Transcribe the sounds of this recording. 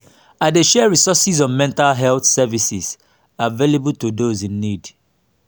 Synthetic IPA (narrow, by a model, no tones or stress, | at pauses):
aɪdeʃɛɹisɔsizɔ̃nmɛ̃ntalɦɛlθsɛvisiz | avelebultudozĩnːid